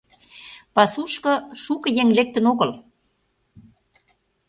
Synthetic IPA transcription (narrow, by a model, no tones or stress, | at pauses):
pɑsuʃkɤ̆ʃukə̆jeŋlek̚t̪ə̆noɣə̆l